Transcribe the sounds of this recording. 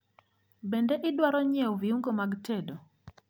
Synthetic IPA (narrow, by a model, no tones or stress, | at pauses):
bendeʔɪdwaɾɔɲɛviuŋɡomaɡtedo